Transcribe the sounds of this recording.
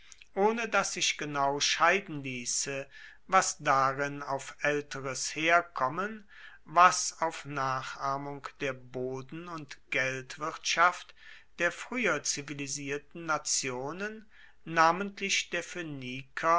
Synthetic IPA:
ʔoːnədasz̥ɪçɡ̥ənaʊʃaɪdn̩liːsə | vasd̥aʁɪnaʊfʔɛltəʁəsheːɐkʰɔmən | vasaʊfnaːχʔaːmʊŋkd̥eːɐboːdn̩ʊntɡ̥ɛltv̥ɪɐtʃaft | d̥eːɐfʁ̥yːɐt͡siviliziːɐtn̩nat͡sjoːnənː | aːməntʰlɪçd̥eːɐføniːkʰɐ

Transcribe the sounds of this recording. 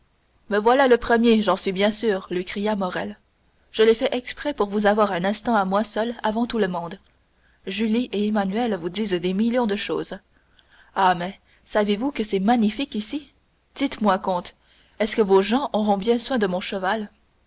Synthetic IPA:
mɛvwalaləpχəmjeʒɑ̃sɥibjɛ̃syːʁlɥikχijamɔʁɛl | ʒ̥əlefɛʔɛkspχɛpuʁvuzavwaʁɛ̃nɛ̃st̪ɑ̃amwasœlavɑ̃t̪uləmɔ̃d̪ | ʒyliʔeemanyɛlvud̪iːzd̪emiljɔ̃d̪əʃoːz | amɛ | savevukəsɛmaɲifikisi | d̪̥it̪mwakɔ̃t̪ | ɛskəvoʒɑ̃ʔɔʁɔ̃bjɛ̃swɛ̃d̪əmɔ̃ʃəval

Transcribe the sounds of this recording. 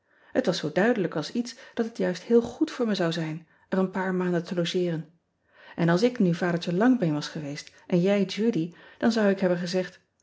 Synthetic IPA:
hətʋɑsowdœɥdələkɑlˠsitsd̥ɑtətjœɥsthɪːlˠχutfʊːɹməzɑwzɛjn | ʔərənpaːɹmaːndəntʰəlowʒɪːrən | ʔɛnɑlˠs̬ɪknyvaːdəɹtəlɑŋbɛjnʋɑsχəʋejst | ʔɛnjɛjd͡ʒudid̥ɑnzʌwɪkɦɛbənχəzɛχt

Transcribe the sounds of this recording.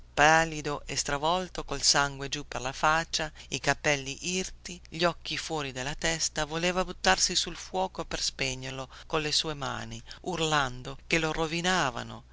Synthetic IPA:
paːlːid̪oʔest̪ɾavɔlt̪okolsaŋɡwed͡ʒuperlafat͡ʃːaikapɛlːiʔirt̪iʎɔk̟ːifwɔːɾid̪elːat̪ɛst̪avoleːvabut̪ːarsisulfwɔːkoperspɛɲːerlokonlesuːema̰ːniurland̪okelorovinaːva̰no̰

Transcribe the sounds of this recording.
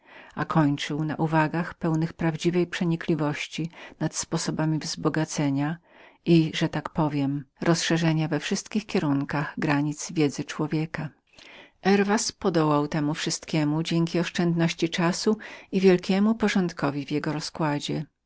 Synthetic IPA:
akʰɔɲt͡ʂɘwna̰ʔuvaɡaxpɛwnɘxpɾavd͡ʑivɛjpʂɛɲiklʲivɔɕt͡ɕinat̪spɔsɔbamʲivzbɔɡat̪sɛɲa | ʔiʐɛt̪akpɔvʲjɛmɾɔsʂɛʐɛɲavɛfʂɘst̪kʲixkʲjɛɾuŋkaɣɡɾaɲit̪z̥vʲjɛd̪zɘt͡ʂwɔvʲjɛka | ʔɛɾvaspɔd̪ɔwawt̪ɛmufʂɘst̪kʲɛmud͡ʑɛŋʲkʲiɔʂt͡ʂɛnd̪nɔɕt͡ɕit͡ʂasuivʲjɛlkʲɛmupɔʐɔnt̪kɔvʲivʲjɛɡɔɾɔskwad͡ʑɛ

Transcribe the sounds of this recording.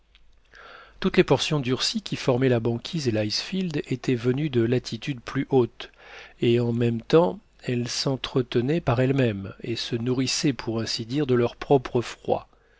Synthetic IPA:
t̪ut̪lepɔʁsjɔ̃d̪yʁsikʲifɔʁmɛlabɑ̃kʲʰizelajsfild̪et̪ʰɛvənyd̪əlat̪ʰit̪yd̪plyʔot̪eɑ̃mɛmt̪ɑ̃ | ɛlsɑ̃t̪χət̪ənɛpaʁɛlmɛmesənuʁisɛpʰuʁɛ̃sid̪iʁd̪əlœʁpχɔpχəfχwa̰

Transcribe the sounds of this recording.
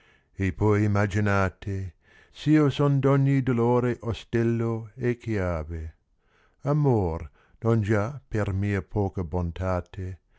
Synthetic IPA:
epʰɔjimad͡ʒinaːt̪ʰe | siosond̪ɔɲːid̪oloːɾeʔost̪ɛlːoekʰjaːve | amor | nond͡ʒapermiːɐpʰɔːkɐbont̪aːt̪ʰe

